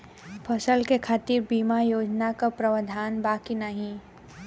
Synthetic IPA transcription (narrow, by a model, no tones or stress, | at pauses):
pʰɐsəlkekʰaːt̪iɾbiːmajoːd͡ʒnakapɾəʋəd̪ʱaːnbaːkinəɦĩ